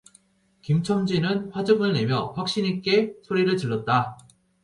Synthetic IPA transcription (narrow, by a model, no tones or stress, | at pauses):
kimt͡ɕʰʌmd͡ʑinɯnɸwad͡ʑɯɡɯɭne̞mjʌɸwak̚ɕ͈iɲik͈e̞sʰoɾiɾɯɭtɯɭːʌt̚t͈a